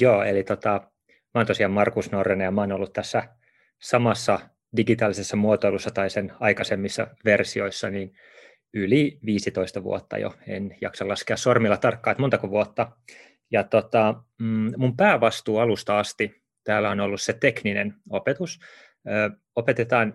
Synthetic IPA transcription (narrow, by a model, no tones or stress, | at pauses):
joːḛlit̪ot̪ɑ | mæont̪osiɑmmɑrkusnorːenɑjɑmɑoːnolːut̪t̪æsːæ | sɑmɑsːɑ | diɡit̪ɑːlisesːɑmuot̪oilusːɑt̪ɑisenɑikɑsemːisːɑ̰ʋersioisːɑniːn | yliʋiːsit̪oist̪ɑʋṵo̰t̪ːɑ̰jo̰enjɑ̰ksɑlɑskeɑssormilːɑt̪ɑrkːɑːt̪mont̪ɑkoʋuot̪ːɑ | jɑt̪ot̪ɑ | mumpæːʋɑst̪uːɑlust̪ɑɑst̪i | t̪æːlæonolːusset̪ekninḛnopet̪us | øː | opet̪et̪ɑːn